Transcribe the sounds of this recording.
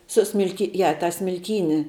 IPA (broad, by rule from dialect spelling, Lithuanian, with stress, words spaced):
sʊˈsʲmʲɪlʲkʲɪ ˈjɛ tɑː sʲmʲɪlʲˈkʲiːnʲɪ